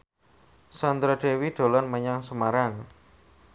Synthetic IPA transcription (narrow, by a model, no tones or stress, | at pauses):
sand̪ɾaɖ̪̥ewiɖ̪̥o̤lɔnməɲaŋsəmaɾaŋ